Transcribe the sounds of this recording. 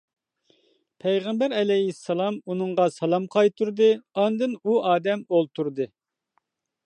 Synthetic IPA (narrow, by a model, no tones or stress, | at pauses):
pʰɛjʁɛmbæɾɛlɛjɦisːɑlˠɑmunɨŋʁɑsɑlˠɑmqʰɑjt̪ʰuɾd̪ɨɑnd̪ɨnuɑːd̪ɛmolˠt̪ʰuɾd̪ɨ